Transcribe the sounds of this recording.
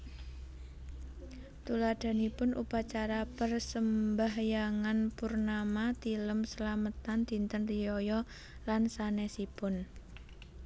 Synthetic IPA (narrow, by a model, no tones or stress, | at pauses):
t̪ulad̥a̤nipʊnʔṵpat͡ʃaɾapərsəmbaɦjaŋanpʊrnamat̪iləmsəlamət̪and̪̥i̤nt̪ənrijɔjɔ | lansanɛsipʊn